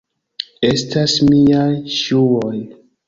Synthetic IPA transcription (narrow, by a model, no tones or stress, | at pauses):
estasmiaʃuon